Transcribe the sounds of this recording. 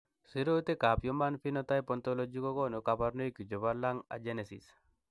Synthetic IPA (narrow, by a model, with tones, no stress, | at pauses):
si˦ɾo˦t̪i˦ka˨pjo˦ma˦nfinɔ˦t̪a˦jpɔnt̪ɔlɔd͡ʒikɔ˦kɔnu˨ka˨baɾno˦jki˨d͡ʒɔ˨βalaŋa̰˨d͡ʒenesḭ˨s